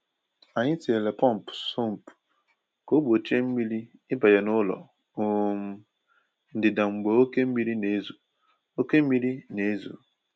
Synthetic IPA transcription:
a˨ɲɪ˦ti˨e˨le˨pɔ˦˨m̩˨pso˦m̩˨p | ko˦bo˨t͡ʃe˦m̩˦mi˦li˦ | ɪ˦ba˨je˨nʊ˦lɔ̰˨ | o˦m̩˦ | n̩˨dɪ˨da˨ŋ͡m̩˨ɡ͡bo˨o˦ke˦m̩˦mi˦ɾi˦ne˨˦zu˨ | o˦ke˦m̩˦mi˦ɾi˦ne˨˦zṵ˨

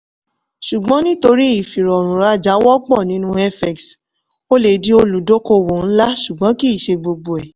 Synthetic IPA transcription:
ʃu˨ɡ͡bɔ̃˨˦nĩ˦to˧ɾi˦i˦˨fi˨ɾɔ˨ɾ̃ũ˨ɾa˧˦d͡ʒa˨˦wɔ˦ɡ͡bɔ˦˨nĩ˨˦nũ˦ɛ˦fɛ˨ks | o˦le˨di˦o˧lu˨do˦ko˧wo˨n̩˦la˦ʃu˨ɡ͡bɔ̃˨˦ki˦i˦˨ʃe˧ɡ͡bo˧ɡ͡bo˨ɛ˨

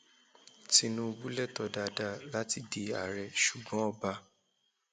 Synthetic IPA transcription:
ti˧nũ˦˧bu˦lɛ˦˨tɔ˨da˨˧da˦˨la˦ti˦de˨a̰˨ɾɛ˨ʃu˨ɡ͡bɔ̃˨˦ɔ˧ba˧

